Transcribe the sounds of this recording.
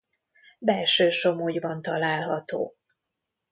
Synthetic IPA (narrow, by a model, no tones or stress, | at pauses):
bɛlʃøːʃo̞moːjbɒnt̪ɒlaːlɦɒt̪o̰ː